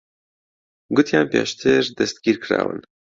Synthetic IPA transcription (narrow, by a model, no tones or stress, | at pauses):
ɡʊt̪jaːnpja̰ːʃt̪ʰeɾd̪ɛst̪̚ɡiːɾkʰɨɾa̰ːwɨ̰n